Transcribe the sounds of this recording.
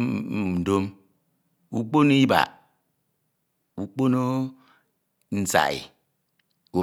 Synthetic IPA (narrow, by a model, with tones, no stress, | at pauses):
do˦m | u˨k͡po˦no˦i˦ba̰˨ | u˨k͡po˦no˦ | n̩˦sa̰˨ḭ˨ | u˨